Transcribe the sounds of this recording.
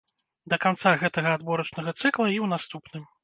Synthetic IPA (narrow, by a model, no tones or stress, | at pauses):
d̪ɐkant̪saɣɛt̪ɐɣɐad̪bɔɾɐt͡ʂnɐɣɐt̪sɨklˠɐiwnast̪upnɨm